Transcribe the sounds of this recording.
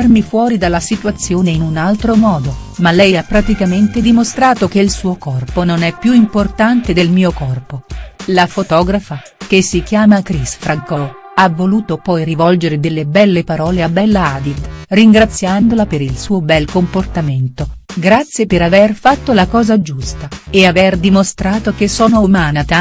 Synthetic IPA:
rmifwɔːɾid̪alːasit̪wat̪sːjoːneinunalt̪ɾomɔːd̪omalːɛjapːɾat̪ikament̪ed̪imost̪ɾaːt̪ok̟eilsuːokɔrpononɛpːjuimport̪ant̪ed̪elmiːokɔrpolafot̪ɔːɡɾafa | kesːikjaːmakɾisfɾaŋkɔ | avːoluːt̪opɔjrivɔld͡ʒeɾed̪elːebɛlːepaɾɔːleabːɛlːaaːd̪ild̪riŋɡɾat̪sːjand̪olapeɾilsuːobɛlkomport̪ament̪oɡɾat̪sːjepeɾaverfat̪ːolakɔːzad͡ʒust̪aeaverd̪imost̪ɾaːt̪okesoːnomaːnat̪a

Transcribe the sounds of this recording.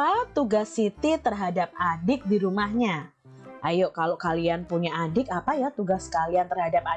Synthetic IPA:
at̪uɡasːit̪it̪ərɦadap̚adɪk̚diɾumahɲa | ʔajoʔkalokalianpuɲaadɪk̚apajat̪uɡaskaliant̪ərɦadap̚a

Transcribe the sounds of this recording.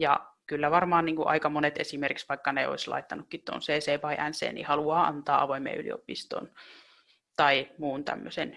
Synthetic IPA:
jɑ̰kylːæʋɑrmɑːnniːŋkuʔɑ̰ikɑmonet̪ḛsimerkiksʋɑikːɑneo̰islɑ̰it̪ːɑnukːit̪t̪o̰nseːseːpɑiʔænsḛːnḭhɑluɑːɑ̰nt̪ɑːɑʋoimḛːylio̰pist̪o̰n | t̪ɑimuːnt̪æ̰mːøsen

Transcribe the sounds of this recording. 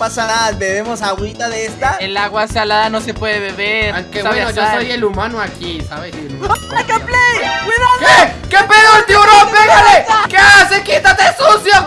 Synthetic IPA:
pasanaðabeβemo̞sawit̪aðeest̪aelaɣwasalaðano̞se̞pwe̞ðeβe̞βeɾaŋkeaβenoʝosojelumanoakisaβesi | kaplejkwiðakekepeðot̪ioɾopeɣalekeasekit̪at̪esusjo

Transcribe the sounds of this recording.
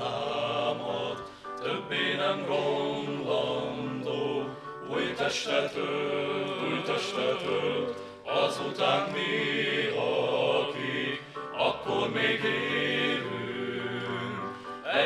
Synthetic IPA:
aːmot̪ | t̪øbːeːnɛmɡondɒnd̪oː | ujt̪ɛʃt̪ɛfø | ylt̪ɛʃt̪ɛføl | ɒzut̪aːnmi | ɒki | ɒkːormeːɡleːvy | ŋ | ɛ

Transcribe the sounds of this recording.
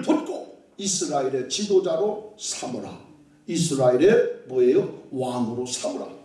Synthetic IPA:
pʰɯtkʰo | isɯɾaeɾet͡ɕʰid̪od͡ʒaɾosʰamɯɾa | isɯɾaeɾeboejowanɯɾosamɯɾa̰

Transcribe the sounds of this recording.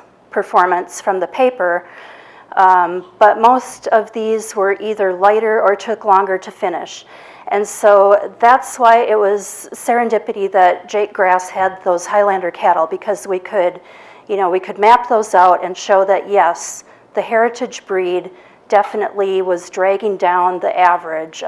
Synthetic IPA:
pʰə˞fɔɹmɨ̃nsfɹʌ̃mðɨpʰeɪpə˞ | b̥ʌt̚moʊstʌvðizwə˞ʔiðə˞laɪɾə˞ə˞tʰʊklɔ̃ŋɡə˞ɾɨfɪ̃nɪ̰ʃ | ʔɨ̃nsoʊðætswaɪʔɪt̚wʌz̥sɛɹɨ̃ndɪpɨɾiðɨt̚d̥ʒ̥eɪk̚ɡ̥ɹæshɨd̪̚ðoʊz̥haɪlæ̃ndə˞kʰæɾl̩ˠbɨkʰʌzwikʰɨd | jɨnoʊwikʰɨd̚mæp̚ðoʊzaʊɾɨ̃nʃoʊðɨʔ̚jɛs | ðɨhɛɹɨɾɨd͡ʒbɹid | ɛfɨnɨ̰ʔliwʌzdɹæɡɪ̃ŋdãʊ̃nðiʔævə˞ɪ̥ʒ̥

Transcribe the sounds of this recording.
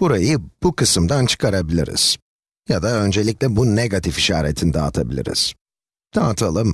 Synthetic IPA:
b̥uɾajɯb̥ukʰɯsɯmd̪ant͡ʃʰɯ̥kʰaɾabilʲḭɾḭz̥ | jad̪aø̞nd͡ʒe̞lʲic̚lʲɛbuneɡat̪ʰifiʃa̰ːɾet̪ʰind̪aːt̪ʰabilʲḭɾḭz̥ | d̪̥aːt̪ʰalˠɯm

